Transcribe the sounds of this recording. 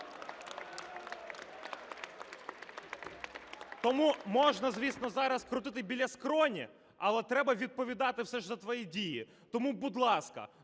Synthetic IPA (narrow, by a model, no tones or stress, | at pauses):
t̪ɔmumɔʒnɐzʋʲisnɔzɑɾɐskɾʊt̪ɪt̪ɪbʲilʲːɐskɾɔnʲḭ | ɐlˠɛt̪ɾɛbɐʋʲid̪̚pɔʋʲid̪ɑt̪ɪwsɛʒzɐt̪ʋɔjidʲiji | t̪ɔmubud̪lˠɑskɐ̰